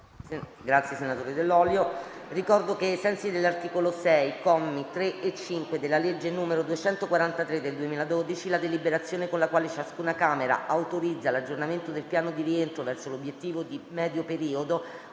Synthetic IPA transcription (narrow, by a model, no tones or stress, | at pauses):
ɡɾat̪sjesenat̪oːɾed̪elːɔljorikɔrd̪okeasɛnsid̪elːart̪iːkolosɛjkɔmːit̪ɾeet͡ʃːiŋkwed̪elːaled͡ʒːenuːmeɾod̪uet͡ʃɛnt̪okwaɾant̪at̪ɾed̪ːeld̪uemiːlad̪od̪it͡ʃilad̪elibeɾat̪sːjoːnekonlakwaːlet͡ʃaskuːnakaːmeɾa̰ʔawt̪oɾid̪zːalad͡ʒornament̪od̪elpjaːnod̪iɾient̪ɾovɛrsolobjet̪ːiːvod̪imɛːd̪jopeɾiːod̪o